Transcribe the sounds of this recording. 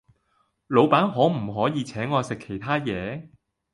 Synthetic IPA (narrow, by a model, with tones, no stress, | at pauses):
lo˨˧wpaː˨˥nɦɔː˨˥m̩˨˩ɦɔː˨˥jiː˨˧t͡sʰɛː˨˥ŋːɔː˨˧sɪ˨kʰːe˨˩jt̪ʰaː˥jɛː˨˧